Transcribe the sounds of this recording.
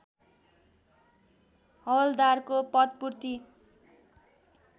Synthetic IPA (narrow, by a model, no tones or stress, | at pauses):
hʌwld̪arkopʌt̪̚purt̪i